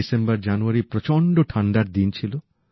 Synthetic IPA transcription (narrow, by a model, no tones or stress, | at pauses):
isembɔɾd͡ʒanuaɾipɾɔt͡ʃɔɳɖoʈʰaɳɖaɾd̪int͡ʃʰilo